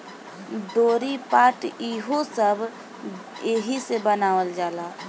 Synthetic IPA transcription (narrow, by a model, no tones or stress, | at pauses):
d̪oːɾipaːʈiɦosəbʱ | eɦisebənaːʋəld͡ʒaːlaː